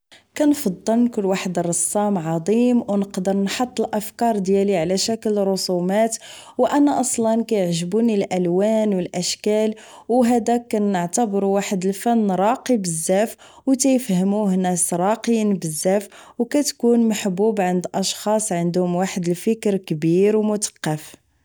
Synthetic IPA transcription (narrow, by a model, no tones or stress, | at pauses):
kænfɑd̪ˤːəlnkʊlːwaħəd̪rˤːɑsˤːɑmʕɑd̪ˤimwnəqd̪əɾnħɑt̪ˤːəlʔæfkɑɾˤd̪jæliʕlæʃækəlɾˤʊsumæt̪ | wʔænæʔɑsˤlɑnkæjəʕʒbunilʔælwænwəlʔæʃkæl | wɦæd̪ækːæəʕt̪əbɾuwaħəd̪əlfænːɾˤɑqibəzːæf | wt̪æjəfhəmuhnæsɾˤɑqinbəzːæfwkæt̪kunmaħbubʕənd̪ʔɑʃxɑsˤʕənd̪hʊmwaħəd̪əlfəkɾkbiɾwmʊt̪ə̥qːɑf